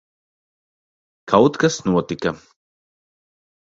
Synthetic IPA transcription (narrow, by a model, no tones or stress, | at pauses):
kʰawt̪kɐsnuɔt̪ikɐ